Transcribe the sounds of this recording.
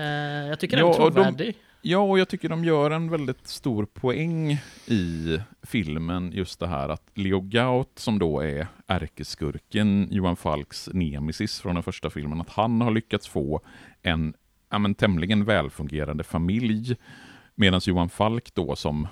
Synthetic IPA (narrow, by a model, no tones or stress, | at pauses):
jɑt̪ʰʏkːəɑːɔdd̪ɔdɪ | jɑːɔjɑːt̪ʰʏkːəɖɔmjœːɾɛnvɛld̪ɪt̪st̪uːɾpʰɔɛŋːɪfɪlmənjɵst̪̚d̪ɛɦæ̰ːɾat̪lɪʊɡaʊt̪sɔmd̪oːɛ̰ɾʔæɾkəskɵ̰ɾkənjuːanfa̰lksneːmɪsɪsfɾɔnd̪ɛnfœʂʈafɪ̰lmənat̪hanhaɭʏkːat̪sfoːʔɛn | amənt̪ʰɛmlɪɡənvɛːlfɵŋɡeːɾand̪əfamɪlj | meːd̪ansjuːanfalkd̪̥o̰ːsɔ̰m